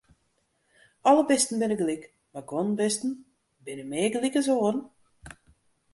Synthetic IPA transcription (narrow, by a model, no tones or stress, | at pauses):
ɔlˠəbɪstn̩bɪnəɡlik | maɡonbɪstn̩ | bɪnəmeːɡlikəs̬oːərn̩